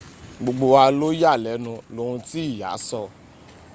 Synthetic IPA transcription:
ɡ͡bo˨ɡ͡bo˧wa˧lo˦ja˦˨lɛ˨˦nũ˧lo˨˧ɾũ˧ti˦i˦˨ja̰˨˦sɔ˦˨

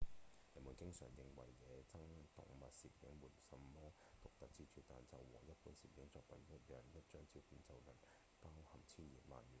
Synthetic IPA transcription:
jɐ˨˩nmuː˨˩nkɪ˥ŋsœ̰ː˨˩ŋjɪ˨˩ŋwɐ̰˨˩jːɛː˨˧t͡sɐ˥ŋt̪ʊ̰˨ŋmɐ˨t̚siː˨˩p̚jɪ˨˥ŋmuː˨˩nsɐ˨mːɔː˥ | t̪ʊ˨k̚t̪ɐ˨k̚t͡siː˧t͡ʃʰyː˨˧˩t̪aː˨nt͡sɐ˨˩wwɔ̰ː˨˩jɐ˥t̚puː˨˥nsiː˨p̚jɪ˨˥ŋt͡sɔː˧k̚pɐ˨njɐ˥t̚jœː˨ŋjɐ˥t̚t͡ʃœː˥ŋt͡si˨˥puː˨˥nt͡sɐ˨˧wlɐ˨˩n | paː˥whɐ˨˩mt͡sʰiː˥njḭː˨t̚ma̰ː˨njyː˨˩n

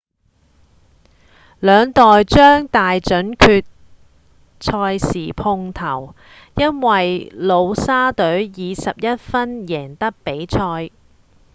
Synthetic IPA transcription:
lœː˨˧ŋt̪ɔː˨jt͡ʃœː˥ŋt̪aː˨jt͡ʃɵ˨˥nkʰyː˧t̚ | t͡ʃʰɔː˧jsiː˨˩pʰʊ˧ŋt̪ʰɐ˨˩w | jɐ˥nwɐ˨jlo˨˧wsaː˥t̪ɵ˨˥ɥjiː˨˧sɐ˨p̚jɐ˥t̚fɐ˥njɛː˨˩ŋt̪ɐ˥k̚pe˨˥jt͡ʃʰɔː˧j

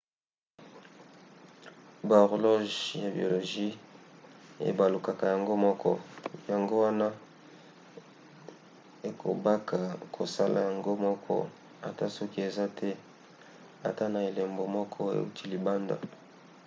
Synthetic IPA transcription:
ba˨o˨ʁlo˦ʒja˨bi˨o˨lo˨ʒi˦ | ḛ˨ba˨lu˨ka˨ka˨ja˨ŋɡo˦mɔ˦kʰɔ̰˦ja˨ŋɡo˦wa˦na˦ | e˨kʰo̰˨ba˦kʰa˨kʰo˨sa̰˦la̰˨ja˨ŋɡo˦mɔ˦kʰɔ̰˦ | a̰˨ta˦sɔ˦ki˦e˨za˦tʰɛ˦ | a˨ta˦na˨e˨le˨mbo˨mɔ˦kʰɔ˦ḛ˨u˦tʰi˦li˨ba˦nda̰˨

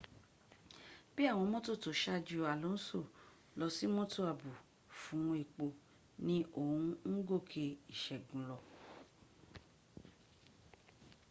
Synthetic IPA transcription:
b̥i˦a˦˨w̃ɔ̃˧mõ˦to˦˨to˨ʃa˧d͡ʒu˧a˨lo˨˦so˦˨ | lɔ˧si˦mõ˦to˦˨a˨bu˨ | fũ˨˦ũ˧e˨k͡po˨ | nĩ˦ʔo˦˨ũ˧ŋ̩˦ɡo˦˨kʰe˧i˨ʃɛ˨ɡũ˨lɔ˧

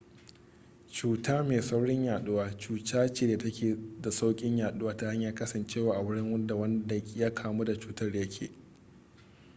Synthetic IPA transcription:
t͡ʃuː˦taː˦meː˨sɐ˦wɽɪ˦ɲjaː˨ɗʊ˦waː˦t͡ʃuː˨taː˦t͡ʃeː˨deː˨tɐ˦kʲeː˨da˨sa˦wkʲʼɪ˦ɲjaː˨ɗʊ˦waː˦ta˦ha˦ɲjaː˦kɐ˦sɐ˨nt͡ʃeː˦waː˨ʔa˨wʊ˦ɽɪ˦ŋwɐ˦nda˨wɐ˦nda˨˦jaː˦kʰaː˨mu˦da˨t͡ʃuː˦tɐ˦rjɐ˦kʲʰḛː˨

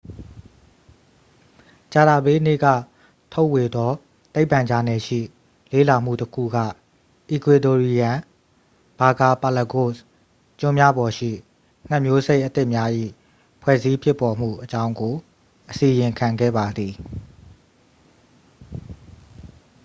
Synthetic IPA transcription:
t͡ɕa˨d̪a˨be˦nḛ˦˨ɡä̰˦˨ | tʰo˦ʊʔwe˨d̪ɔ˦ | t̪e˦ɪ˨pã˨ɲd͡ʑa˨nɛ˨ʃḭ˦˨ | lḛ˦˨la˨m̥ṵ˦˨təkʰṵ˦˨ɡä̰˦˨ | ʔi˨kwe˨to˨ɹi˨jã˨ | b̥a˨ɡa˨pa˨la˨ko˦˨s | t͡ɕʊ̃˦mja˦bɔ˨ʃḭ˦˨ | ŋ̥a˦ʔmjo˦ze˦ɪʔət̪ɪ˦ʔmja˦ʔḭ˦˨ | pʰwɛ̰˦˨zi˦pʰjɪ˦˨pːɔ˨m̥ṵ˦˨ʔət͡ɕã˦ʊ̃ŋɡo˨ | ʔəsi˨jɪ̃˨kʰã˨ŋɡɛ̰˦˨ba˨d̪i˨

